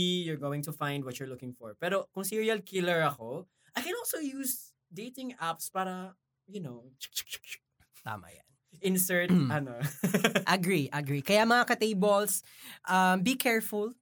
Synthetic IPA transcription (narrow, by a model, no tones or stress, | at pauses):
ijʊɹɡowɪ̃ŋt̪ʊfãjnd̪wɐtt͡ʃʊɹlʊkɪ̃ŋfɔɹpɛːɾokʊŋsiɹiɐlkʰɪlɛɹɐko | ʔajkɛ̃nɔlsowjuːs | d̪ejt̪ɪ̃ŋapspaːɾɐ | jʊnot͡ʃk̚t͡ʃk̚t͡ʃk̚t͡ʃk̚ | t̪a̰ːmɐ̰ja̰nʔɪ̃nsɛɹtɐnoʔɐɡɹiʔɐɡɹikɐjamɐŋakɐt̪ejbols | ʔɐmbikʰɛɹfʊl